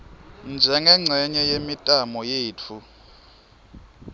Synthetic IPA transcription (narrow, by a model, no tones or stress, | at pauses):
nd͡ʒʱɛŋɛŋ͡ǀʱɛɲɛjemitʼamɔjeːt͡fʰu